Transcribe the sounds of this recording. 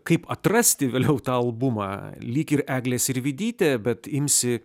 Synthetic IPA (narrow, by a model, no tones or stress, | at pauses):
kɐɪpɐt̪rɐsʲt̪ʲɪʋʲeːlʲɛʊt̪ɑːɐlˠbʊmɑ̰ːlʲiːkʲɪɾæːɡlʲeːsɪɾʋʲɪd̪ʲiːt̪ʲɛːbʲɛt̪ɪmʲsʲɪ